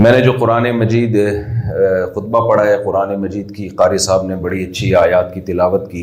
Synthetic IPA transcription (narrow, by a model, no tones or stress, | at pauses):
mɛ̃ːned͡ʒoːqʊɾaːnemɐd͡ʒiːd̪ | xʊt̪̚bapɐɽ̤aɦɛqʊɾaːnemɐd͡ʒiːd̪kiqaːɾisaːbnebɐɽiɐtːʃʰiaːjaːt̪kit̪ɪlaːʋət̪kiː